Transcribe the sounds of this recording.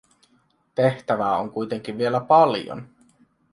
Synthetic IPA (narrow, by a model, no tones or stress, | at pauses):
t̪e̞ht̪æʋæːoŋkujt̪e̞ŋk̟iʋʋie̞læpɑljo̰n